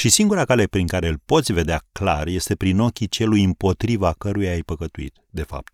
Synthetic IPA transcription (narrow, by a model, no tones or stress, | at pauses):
ʃisiŋɡuɾakale̞pɾiŋkaɾe̞ɨlpo̞t̪sʲve̞d̪eakla̰rje̞st̪e̞pɾino̞kʲit͡ʃe̞lujɨmpo̞t̪ɾivakəɾujajpəkət̪uḭt̪d̪e̞fa̰p̚t̪̚